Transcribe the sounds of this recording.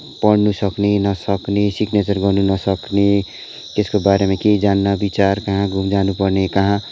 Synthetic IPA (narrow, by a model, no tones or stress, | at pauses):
pʌɽnusʌknenʌsʌknesiknet͡sʌrɡʌrnunʌsʌkne | t̪eskobaɾemãkeid͡zanːʌbit͡sarkʌɦãɡʱumd͡zanupʌrnekʌɦã